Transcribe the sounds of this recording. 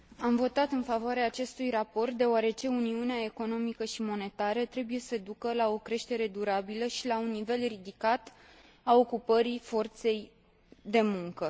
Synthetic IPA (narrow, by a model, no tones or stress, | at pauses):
amvo̞t̪at̪ɨnfavoaɾeaːt͡ʃe̞st̪ujrapo̞rt̪̚d̪e̞oaɾe̞t͡ʃe̞uniuneae̞ko̞no̞mikəʃimo̞ne̞t̪aɾət̪ɾe̞buje̞səd̪ukəlao̞kɾe̞ʃt̪e̞ɾe̞d̪uɾabiləʃilaunːive̞lrid̪ikat̪ | ao̞kupəɾifo̞rt̪se̞j | d̪e̞muŋkə